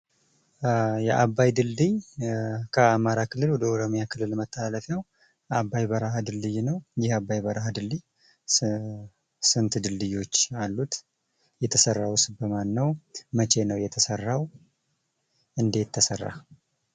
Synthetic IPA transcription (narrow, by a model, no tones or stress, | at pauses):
jɛʔabːajd̪ɨld̪ɨj | kʰəamaɾakʰɨlːɨlwɔd̪əoɾomijakʰɨlːɨlmət̪ʰːəaləfjaw | ʔabːajbəɾahad̪ɨlːɨjnəwjɪhabːajbəɾaɦad̪ɨlːɨj | sɨnt̪d̪ɨldɨjo̞t͡ʃːalːut̪ | jɛt̪ʰəsərːawsbəmanːəwmət͡ʃʰe̞nəwjɛt̪ʰəsərːaw | ʔɨnd̪e̞t̪ʰːəsərːa̰